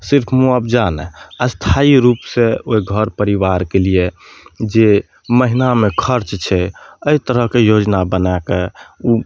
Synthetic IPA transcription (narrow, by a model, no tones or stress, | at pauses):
siɾpʰmuəb̚d͡ʒanɛ̰əst̪ʰaiɾupseoiɡʱəɾpəɾiʋaɾkelied͡ʒe | məɦinamekʰəɾt͡ʃt͡ʃʰɛəit̪əɾəɦkejod͡ʒnabənakeu